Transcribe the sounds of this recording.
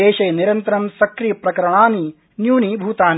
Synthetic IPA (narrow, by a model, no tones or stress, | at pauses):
eːʃeːniɾɐnt̪ɐɾɐmsɐkɾiːpɾɐkɐɾɐɳaːni | njuːniːbʱuːt̪aːn